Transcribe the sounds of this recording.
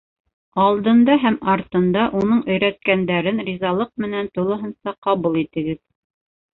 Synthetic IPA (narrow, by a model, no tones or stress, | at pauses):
ɑlˠd̪ɤ̆nd̪ɑɦæmɑɾt̪ɤ̆nd̪ɑʔunɤɴʔɵ̆jɾæt̪̚kænd̪æɾɘnrʲizɑlˠɤq̚mɘ̆nænt̪ulˠɤ̆ɦɤ̆nsɑqɑβulˠit̪ɘ̆ɡɘð